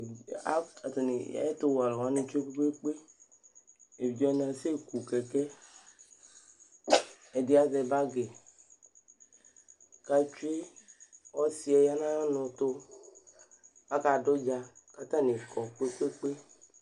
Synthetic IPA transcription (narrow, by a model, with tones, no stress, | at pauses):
a˦a˨to˨ni˨ja̰˦e˦t̪o˦wa˨lɔ˨wa˦nĩ˧t͡ʃu˦e˦ke˦ke˦k͡pe˦ | e˨i˨d͡ʒɔ˦nã˨se˦ku˨kɛ˨kɛ˦ | ɛ˨di˦a˦zɛ˧ba˦ɡe˨ | ka˧t͡ʃu˦e˦ | ɔ˦si˦ɛ˨˧ja˦nã˦jɔ˦nʊ̃˨t̪o˦ | a˦ka˨do˦d͡ʒa˧ka˨t̪ã˦˨ne˨kʰɔ˨k͡pe˦k͡pe˦k͡pe˦